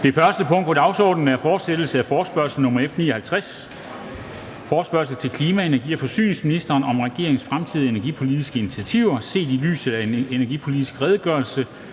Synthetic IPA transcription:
d̥e̝fɶɐsd̥əpʰɔ̽ŋ̰d̥pʰɒd̥ɑ̈ʊsɒ̰ːd̥n̩æɐfɒːd̥sed̥l̩səæfɒːsb̥ɶɐ̰sl̩nɔ̽mɐefnḭːɐhælt͡sʰʁas | fɒ̥ːsb̥ɶɐsl̩t͡sʰe̝lkʰliːmæe̝næɐɡ̥ḭːɒ̽fɒ̽sy̰ːne̝ŋsminisd̥ɐːnɒ̽mʁɛɡ̥e̝̰ɐ̰eŋsfʁamt͡sʰið̰ˠie̝næɐɡ̥ipʰo̝lidisɡ̥əinit͡sʰiæt͡sʰiʊ̰ɐse̝̰ːd̥ily̰ːsð̩ˠæene̝næɐɡ̥ipʰo̝lid̥isɡ̥ʁɛːð̞ˠɡ̥ɶːɐlsə

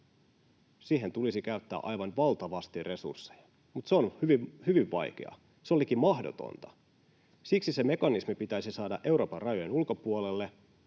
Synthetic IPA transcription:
siːhe̞nt̪ulisikæyt̪ːæ̰ːʔɑjʋɑnʋɑlt̪ɑʋɑst̪irre̞sṵrsːejɑ | mut̪seonhyʋihyʋiʋʋɑ̰jk̟e̞̰ɑ̰ | seo̞lik̟immɑhdo̞̰t̪o̰nt̪ɑ̥ | siksiseme̞kɑnismipit̪æjsisɑːdɑʔe̞wɾo̞ːpɑrrɑjojenulko̞puolelːe̞

